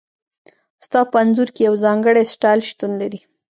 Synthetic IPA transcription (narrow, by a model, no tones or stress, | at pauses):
st̪ɑpəanzuɾkejawzɑŋɡəɽesʈɑjlʃt̪unlaɾi